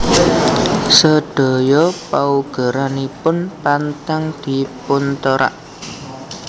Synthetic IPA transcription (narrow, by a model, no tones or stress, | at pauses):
səɖ̪̥ɔ̤jɔpauɡ̥ə̤ɾanipʊnpant̪aŋd̪̥i̤pʊnt̪əɾa̰ʔ